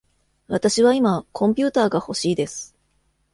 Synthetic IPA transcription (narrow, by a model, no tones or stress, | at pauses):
βat̪aɕiβaimakʰõ̞mpʲɨːt̪aːɡaho̞ɕiːd̪e̞sɨ̥